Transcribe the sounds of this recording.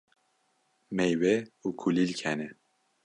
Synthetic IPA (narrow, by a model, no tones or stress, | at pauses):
mejweuːkʰulilkʰɛnɛ